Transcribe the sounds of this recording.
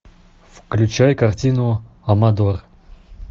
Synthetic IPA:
fklʲʉt͡ɕajkɐrtʲinʊ | ɐmɐd̪or

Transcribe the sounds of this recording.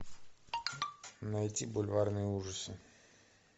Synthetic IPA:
nɐjtʲibʊlʲvarnɨjəuʐəsɨ

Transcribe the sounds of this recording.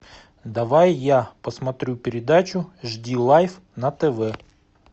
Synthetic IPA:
d̪ɐvajːapəsmɐt̪ɾʲupʲɪɾʲɪd̪at͡ɕʊʐdʲilˠajf | nɐt̪ɛvɛ

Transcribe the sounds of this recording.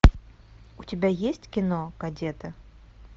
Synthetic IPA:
utʲɪbʲajesʲtʲkʲɪnoɡ̥ɐdʲet̪ɨ

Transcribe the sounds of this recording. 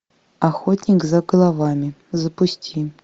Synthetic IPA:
axotʲnʲɪkzɐɡəlˠavamʲɪzəpʊsʲtʲʰi

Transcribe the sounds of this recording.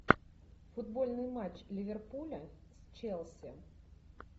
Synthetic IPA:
fud̪bɔlʲnɨjmat͡ɕlʲivʲɛrpulʲɐsʲt͡ʃɛlˠsʲi

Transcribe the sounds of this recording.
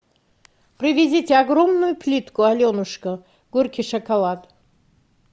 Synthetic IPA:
pʰrivʲezʲitʲʰeaɡromnujupʰlʲit̪kualʲonuʂkə | ɡ̥urkʲʰiʂɐkʰalˠat̪

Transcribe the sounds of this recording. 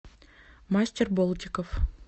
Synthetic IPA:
masʲtʲerbolˠtʲɪkof

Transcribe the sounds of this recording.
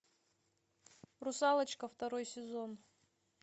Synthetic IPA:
rʊsalˠət͡ɕkəft̪ɐɾojsʲɪzon

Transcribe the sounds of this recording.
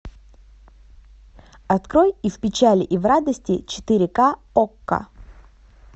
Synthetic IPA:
ɐt̪kɾojifpʲɪt͡ɕælʲɪʔivrad̪əsʲtʲɪt͡ɕɪ̥t̪ɨɾʲɪkaokːə̰

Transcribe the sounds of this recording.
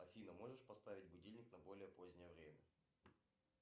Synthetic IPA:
ɐfʲinəmo̞ʐɨʂpɐst̪avʲɪt̚ʲbʊdʲilʲnʲɪknɐbo̞lʲɪjəpo̞zʲnʲɪjəvɾʲemʲə

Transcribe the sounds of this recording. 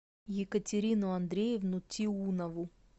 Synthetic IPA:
jɪkətʲɪɾʲinʊɐnd̪ɾʲejɪvnʊt̪ʲiunəvʊ

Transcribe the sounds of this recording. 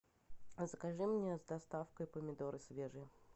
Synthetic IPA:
zəkaʐɨmnʲezd̪ɐst̪afkəjpəmʲɪd̪oɾɨsʲvʲeʐɨ

